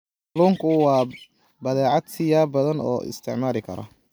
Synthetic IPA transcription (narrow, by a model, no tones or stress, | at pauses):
luːŋkʰʊwɑː | bɐðɛːʕɑd̪sɪjaːbɐðɐnɔ̰ːʔɪ̰st̪ʰɪʕmaːɾɪkʰɐ̰ɾɔ̰